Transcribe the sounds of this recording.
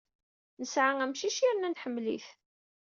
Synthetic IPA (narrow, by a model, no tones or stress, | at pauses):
nəsʕaæmʃiʃiɾnænħəmːlḭθ